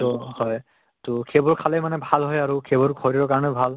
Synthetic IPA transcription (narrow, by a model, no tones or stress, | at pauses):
tɔhɔj | tʊkʰebɔɹkʰalɛjmanɛbʱalɦɔjaɹukʰebɔɹɡʰʱɔɾiɔkaɹɔnɛbʱal